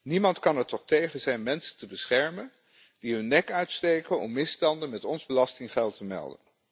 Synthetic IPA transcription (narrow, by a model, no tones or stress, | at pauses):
nimɑntkɑnətɔχtejχənzɛjnmɛnsə̥ntəbəsχɛɹmən | diɦɵnːɛkœɥtstejkənɔ̰mːɪstɑndənmɛtɔnzbəlɑstɪŋχɛlˠtʰəmɛ̰lˠdə̰n